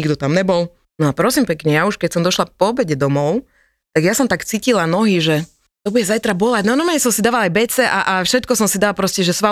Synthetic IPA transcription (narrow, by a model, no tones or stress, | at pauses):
iɡd̪ɔt̪amɲɛbɔlˠ | nɔapɾɔsimpɛkɲɛjauʃkɛcsɔmd̪ɔʃlapɔːbɛɟɛd̪ɔmɔʊ | t̪aɡjasɔmt̪akt͡siːcilanɔɦiʒɛ | t̪ɔbuɟɛzajt̪ɾabɔlaɟnanɔmaɲɛsɔmsid̪aːʋalajbɛt͡sɛʔaʔafʃɛt̪kɔsɔmsid̪aalpɾɔscɛʒɛsʋa